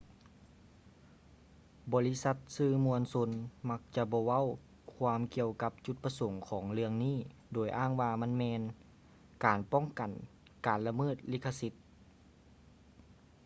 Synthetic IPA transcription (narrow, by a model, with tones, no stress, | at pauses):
bɔː˨˩li˦˥˨sa˧˥t̪̚sɯː˧˩mu˧ənso˧nma˧˥k̚t͡ɕa˧bɔː˧˦ʋa˥˨w | kʰwaː˧˥mki˧əwka˧˦p̚t͡ɕu˧˦t̪̚pa˧so˨˩˦ŋkʰɔː˩˦ŋlɯ˧əŋniː˥˩doː˨˩jʔaː˥˩ŋwaː˧ma˧˥˨nmɛː˧n | kaː˨˩npɔ˥˩˨ŋka˨˩n | kaː˨˩nla˧mɤː˧˥˩t̪̚liː˧˥˩kʰːa˧si˧˥t̪̚